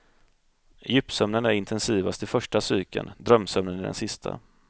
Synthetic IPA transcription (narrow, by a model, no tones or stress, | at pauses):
jʏpːsœmnənæɾɪnt̪ʰɛnsiːvast̪ɪfœʂʈasyːkə̰nd̪ɾœmsœmnənɪɖɛ̰nsɪst̪ʰa̰